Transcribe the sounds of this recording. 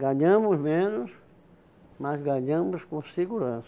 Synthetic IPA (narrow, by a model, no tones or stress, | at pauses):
ɡaɲɐ̃mʊsmẽnʊs | masɡaɲɐ̃mʊskõsiɡuɾɐ̃s